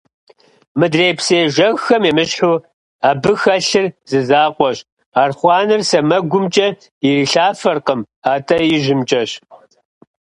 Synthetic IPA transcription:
mɨdreːpseːʒɐɣxɐmemɨɕħuː | aːbɨxɐɬɨrzɨzaːqʷɔɕ | aːrχʷɑːnɨrsɐmɐɡʷʊmt͡ʃʼɐ | iriːɬaːfɐrqəm | aːtʰɐjɪʒɪmt͡ʃʼɐɕ

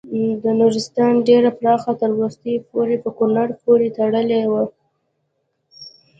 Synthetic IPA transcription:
d̪ənuɾɪst̪ɑnɖeɾapɾɑxat̪əɾwʊst̪əjpoɾepəkʊnaɾpoɾet̪aɽəlewa

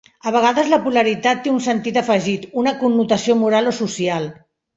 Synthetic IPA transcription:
əβəɣ̞aðəzləpuləɾit̪at̪ːeunsənt̪it̪əfəʒit̪unəkunːut̪əsiomuɾalosusialˠ

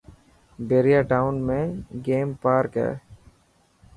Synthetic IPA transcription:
beːɾijaːʈaːʊnmẽːɡeːmpaːɾkɛ̰ː

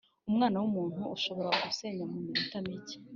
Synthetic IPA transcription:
umŋaːnawumuːn̥huːʃo̞βo̞ɾaɡuse̞ːɲɡamumiɾitamice̥

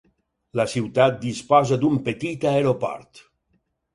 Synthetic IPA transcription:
lasiwt̪at̪̚d̪ispɔzad̪umpet̪it̪aeɾopɔ̰ɾt̪

